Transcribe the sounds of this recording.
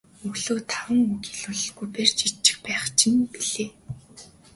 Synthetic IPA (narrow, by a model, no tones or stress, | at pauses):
ɵɣɮoːt̪ʰawə̆ŋukiɮuɮɮɣujpert͡ɕit͡ɕːɪ̥̆xpæːχt͡ɕʰɪ̆ŋpiɮeː